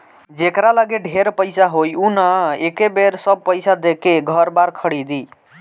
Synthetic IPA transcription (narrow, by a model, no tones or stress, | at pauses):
d͡ʒekɾaləɡeɖʱeɾpəɪsaɦojunaekebeɾsəb̚pəjsad̪ekeɡʱəɾbaɾkʰəɽid̪i